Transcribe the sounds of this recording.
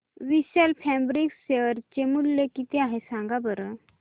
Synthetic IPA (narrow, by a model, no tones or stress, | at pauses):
ʋiɕəlfʰɛbɾikseəɾt͡ɕemulːekit̪eaɦesãŋɡabəɾə